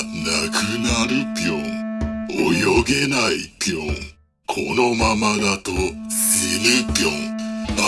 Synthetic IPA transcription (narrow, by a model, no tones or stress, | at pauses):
nakɯnaɾɯpʲjõŋojoɡenaipʲjoŋ | kʰo̰nomamad̪at̪osenɯpʲjoŋa